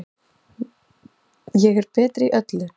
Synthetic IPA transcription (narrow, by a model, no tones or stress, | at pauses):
jɛɣɛɾ̥pɛːt̪ɾiʔœt̪lʏ